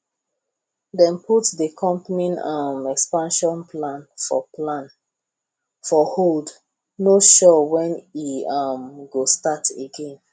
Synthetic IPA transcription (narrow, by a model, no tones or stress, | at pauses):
dɛ̃nputdəkʰɔ̃mpninamɛkspãnʃɔ̃npʰlãnfɔ̰plãn | fɔhold | noʃɔwɛ̃niamɡostatʰeɡẽn